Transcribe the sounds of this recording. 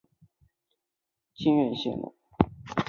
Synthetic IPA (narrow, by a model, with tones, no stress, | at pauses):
t͡ɕʰi˥nɥɛ˥˧nɕjɛ̰˥˩nlə̰˨˩˦